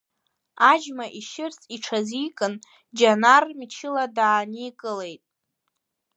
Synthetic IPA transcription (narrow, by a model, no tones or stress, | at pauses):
ad͡ʒmaʔiʃɪrsʼiʈ͡ʂʰazijkʼɨn | d͡ʒanarmit͡ʃʰɪladaːnikʼɨle̞jtʼ